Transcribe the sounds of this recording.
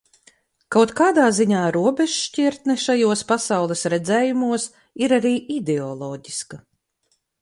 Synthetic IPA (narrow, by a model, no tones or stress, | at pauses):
kawt̪kaːd̪aːziɲaːɾuɔbɛʒʃcʲiɾt̪nɛʃajuɔspasawlˠɛsɾɛd̪zɛːjumuɔs | iɾaɾiːʔid̪ɛɔlˠɔːɟiskɐ